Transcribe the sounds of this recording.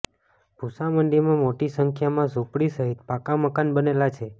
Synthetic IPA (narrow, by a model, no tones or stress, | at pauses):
b̥ʱusaməɳɖimãmoʈisəŋkʰjamãzupɽisəɦit̪̚pakaməkanbənelat͡ʃʰe